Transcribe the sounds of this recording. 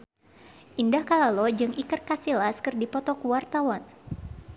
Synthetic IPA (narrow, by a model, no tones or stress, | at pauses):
ʔindahkalalɔd͡ʒɨŋikɨrkasilaskɨrdipɔt̪ɔkuwart̪awan